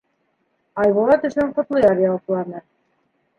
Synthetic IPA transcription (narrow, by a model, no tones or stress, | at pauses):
ɑjβolˠɑt̪ɵ̆ʃɵɴqŏt̪lˠɤjɑɾʲialˠqulˠɑnɤ